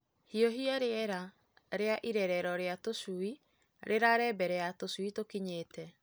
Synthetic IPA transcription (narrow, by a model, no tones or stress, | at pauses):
hiɔɦiaɾeɛɾa | ɾeaʔiɾɛɾɛɾɔɾeatosui | ɾʔeɾaɾɛbɛɾɛatoswitokiɲeːtʰɛ